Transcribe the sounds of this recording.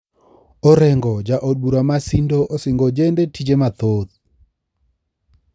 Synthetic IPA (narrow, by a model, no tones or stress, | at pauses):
ɔɾɛŋɡɔd͡ʒaʔod̚buɾamasindoʔosɪŋɡod͡ʒendetid͡ʒemat̪ot̪̚